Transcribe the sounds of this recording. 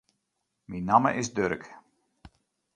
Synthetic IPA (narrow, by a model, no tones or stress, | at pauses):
minamə̰ʔɪsdøɾək